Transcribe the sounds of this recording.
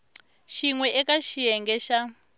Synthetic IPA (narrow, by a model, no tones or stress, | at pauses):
ʃiŋwɛʔɛkaʃijɛŋɡɛʃa